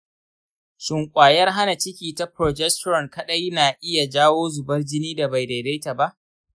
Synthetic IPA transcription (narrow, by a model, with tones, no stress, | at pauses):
ʃɪ˨ŋkʷʼaː˨jɐ˦rɦa˦na˨t͡ʃɪ˦kʲiː˨ta˦pɾoː˨d͡ʒɛ˦stɾɔ˨nkɐ˦ɗɐ˦jnaː˨ʔɪ˦ja˨d͡ʒaː˦woː˦zʊ˨bɐ˦rd͡ʒɪ˦niː˦da˨ba˨jda˨jda˦jta˨ba˦ʔ